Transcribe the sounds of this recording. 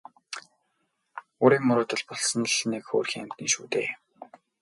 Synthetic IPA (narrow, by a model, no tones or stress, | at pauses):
oːɾiːŋmʊɾʊːt̪ə̆ɮpɔɮsɞ̆nɮnekxo̰ːrxʲiːŋæm̥t̪niːŋʃuːt̪ḛː